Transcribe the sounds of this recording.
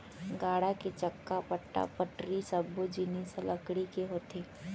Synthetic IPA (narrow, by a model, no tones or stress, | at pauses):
ɡaːɽaket͡ʃəkːapəʈːa̰pəʈɾisəbːod͡ʒiniselɐkɽikeɦoːt̪eː